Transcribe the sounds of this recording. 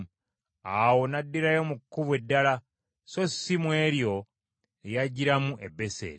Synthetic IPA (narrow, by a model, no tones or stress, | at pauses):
awo̞nadːiɾajo̞mukːuβwe̞dːala | so̞sːimwe̞ːɾjo̞ | ejaɟiɾamuʔe̞bːe̞sḛːɾ